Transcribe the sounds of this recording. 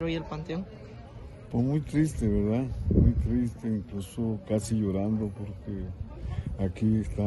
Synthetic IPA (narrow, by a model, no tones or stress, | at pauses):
ɾojelpant̪eoŋ | pwesmujt̪ɾist̪eβeɾðamujt̪ɾist̪eiŋklusokasɪjoɾand̪opoɾke | akiest̪a